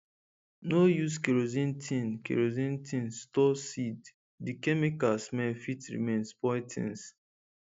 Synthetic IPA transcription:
nojuskiɹozĩntʰĩnkḭɹozĩntʰĩnstɔsid | dikɛmikasmɛfitɹḭmẽnspɔjtʰḭ̃ns

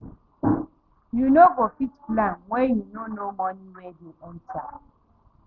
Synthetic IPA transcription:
junoɡofitplanwejunonomɔniwediɔn̩ta̰

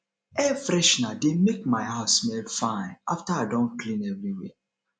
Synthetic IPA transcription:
ɛfɾɛʃnademek̚maɪhaʊsmɛlfãɪ̃naftaaɪdɔ̃nkʰlĩnɛvɾiwɛ̰

